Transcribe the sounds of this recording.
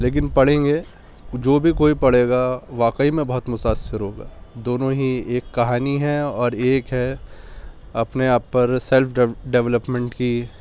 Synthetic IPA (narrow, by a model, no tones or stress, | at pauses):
leːk̬ɪnpɐɽ̤ẽːŋɡeː | d͡ʒoːbʱikoːipɐɽ̤eːɡaʋaːkəimẽbɐɦʊt̪mʊt̪aːsɪɾɦoːɡa̰ːd̪oːnõɦieːkːɐɦaːniɦɛɔːɾeːkɦɛ | ɐpneaːpːɐɾsɛlfʰɖɛʋləpmɛ̃ɳʈki